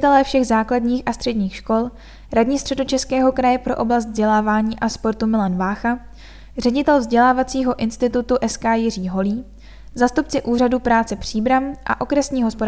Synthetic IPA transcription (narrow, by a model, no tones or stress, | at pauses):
t̪ɛlɛːfʃɛɣzaːkladɲiːxʔast̪r̝̥ɛdɲiːxʃko̞l | ɾadɲiːst̪r̥ɛdo̞t͡ʃɛskɛːɦo̞kɾajɛpɾo̞ʔo̞blast̪vzɟɛlaːvaːɲiːʔaspo̞ɾt̪umɪlanvaːxa | rɛɟɪt̪ɛlvzɟɛlaːvat͡siːɦo̞ʔɪnst̪ɪt̪ut̪uʔɛskaːjɪriːɦo̞liː | zaːst̪upt͡sɪʔuːradupɾaːt͡sɛpr̝̥iːbɾamʔa̰ʔo̞kɾɛsɲiːɦo̞spo